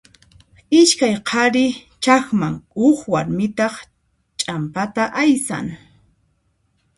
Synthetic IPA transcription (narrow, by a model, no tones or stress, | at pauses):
ɪʃkajqʰɑɾɪt͡ʃaxmaŋʊkwaɾmɪt̪ɑχ | t͡ʃʼampat̪aʔajsa̰ŋ